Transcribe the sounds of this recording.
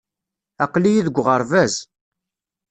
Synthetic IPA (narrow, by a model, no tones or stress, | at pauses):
æqlijiðəɡʷʁəɾˤvæz